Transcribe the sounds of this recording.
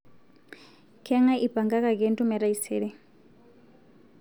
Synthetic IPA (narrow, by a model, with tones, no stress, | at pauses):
kʰɛ˦ŋa˦ʔi˦ba˨ŋɡa˦ka˨kɛntʼu˦mɛ˨ɾa˦isɛːɺɛ˦